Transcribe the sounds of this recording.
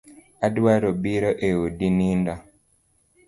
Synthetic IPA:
adaɾobiɾɔʔeodininda

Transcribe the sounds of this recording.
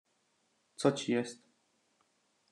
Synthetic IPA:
t̪sɔt͡ɕijɛst̪

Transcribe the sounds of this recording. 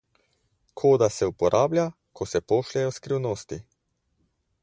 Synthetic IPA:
kʰoːd̪asɛupɔɾʔaːblja | kʰɔsɛpoːʃlʲɛjɔskɾiwnoːst̪i

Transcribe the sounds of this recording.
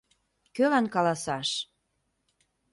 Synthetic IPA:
kølɑnkɑlɑsɑʃ

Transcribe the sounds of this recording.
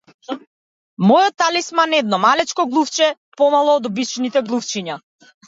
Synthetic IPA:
mɔjɔt̪alismanɛd̪̚nɔmalɛt͡ʃkɔɡlˠuft͡ʃɛ | pɔmalˠɔːd̪ɔbit͡ʃnit̪ɛɡlˠuft͡ʃiɲa

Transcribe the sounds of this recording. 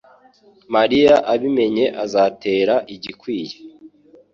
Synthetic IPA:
maɾijaʔaβime̞ɲe̞ʔazate̞ːɾaʔiɟikwiːje̥

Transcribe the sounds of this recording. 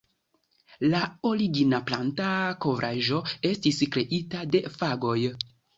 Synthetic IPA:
lao̞ɾiɡinaplantako̞vɾʔaʒo̞e̞stiskɾe̞ʔitade̞faɡo̞j

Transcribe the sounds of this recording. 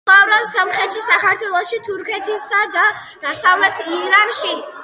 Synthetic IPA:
avɾɔnsamχɾɛt̪ʃisakʰaɾt̪ʰwɛlˠɔʃit̪ʰuɾkʰɛt̪ʰisad̪a | d̪̥asamlɛt̪ʰiɾanʃi

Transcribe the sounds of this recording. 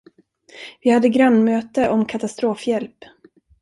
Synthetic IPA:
vɪhad̪ːəɡɾœnːmøːt̪əʔɔmkʰat̪ast̪ɾoːfjɛlp

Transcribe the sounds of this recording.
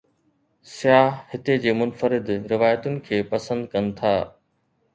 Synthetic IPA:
sɪjaːɦhɪt̪ed͡ʑeːmʊnfəɾɪd̪ɾɪʋaːjət̪ʊnɪ̆kʰeːpɐsə̃nd̪kɐnɪ̆t̪ʰaː

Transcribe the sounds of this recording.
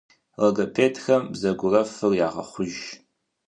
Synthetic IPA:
rɐɡɐpʰeːtʰxɐmbzɐɡʷʊrɐfɨrjaːʁɐ̰χʷʊʒ

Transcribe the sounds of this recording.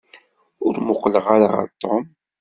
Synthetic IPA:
ʊɾmʊqləʁaɾaʁə̰ɾt̪ˤːom

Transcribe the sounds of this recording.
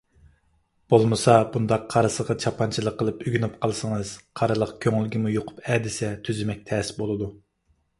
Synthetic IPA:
b̥olˠmɨsɑbund̪ɑqʰːɑɾɨsəʁɑt͡ʃʰɑpʰɑnt͡ʃʰilˠəqʰːəlˠɨpyɡʲynypqʰəlˠsəŋɨz̥qʰɑɾɨlˠəqkʲʰøŋylɡʲimujoqʰʊ̥pɛːd̪ɪsɛt̪ʰyzymɛk̚ʲt̪ʰɛsbolˠɨd̪u

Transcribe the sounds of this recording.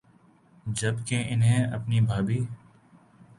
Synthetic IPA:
d͡ʒəbkeʔɪnɦẽːəpniːbʱaːbiː

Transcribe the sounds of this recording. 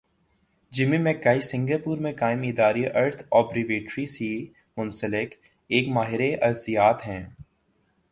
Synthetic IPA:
d͡ʒɪmimẽkaːisɪ̃ŋɡəpuːɾmẽkaːɪmɪd̪aːɾiʔɐɾt̪ʰɔːpɾɪʋeːʈɾisi | mʊ̃nsəlɪk | eːkmaːɦɪɾeʔɐɾzɪjaːt̪ɦɛ̃ː

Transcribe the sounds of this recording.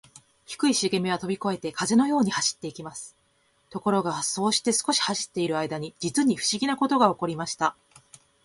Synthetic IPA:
çi̥kɯ̟iɕiɡe̞mʲeβ̞at̪o̞bʲiko̞e̞t̪e̞kʰaze̞no̞jo̞ːɲ̟ihaɕi̥t̪ːe̞ikʲimasɨ̥ | t̪o̞ko̞ɾo̞ɡaso̞ːɕi̥t̪e̞sɨ̥ko̞ɕi̥haɕi̥t̪ːe̞iɾɯ̟aid̪aɲ̟id͡ʑit͡sɨɲ̟iɸɯ̟̥ɕiɡʲinako̞t̪o̞ɡao̞ko̞ɾʲimaɕi̥t̪a

